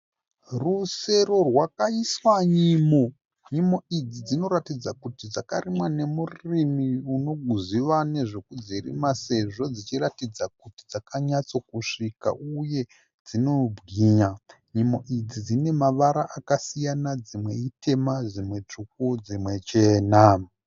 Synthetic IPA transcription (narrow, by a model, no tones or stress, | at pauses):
ruse̞ɾo̞rwakaiswaɲimo̞ | ɲimo̞id͡zid͡zino̞ratid͡zakutid͡zakarimwane̞murimiuno̞ɡʱuziʋane̞ʐo̞kud͡zirḭmase̞ʐo̞d͡zit͡ʃiratid͡zak̚utid͡zakaɲat͡so̞kuʂika̰ʔuje̞ | d͡zino̞bʱɡiɲa | ɲimo̞ʔid͡zid͡zine̞maʋaɾaʔakasijanad͡zimwe̞ite̞mad͡zimwe̞t͡ʂuk̚ud͡zimwe̞t͡ʃe̞ːna